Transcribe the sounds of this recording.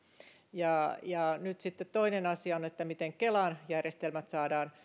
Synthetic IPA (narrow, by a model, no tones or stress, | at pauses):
jɑjɑnyt̪sit̪ːet̪toinenɑsiɑonet̪ːæmit̪eŋkelɑnjærjest̪elmæt̪sɑːdɑːn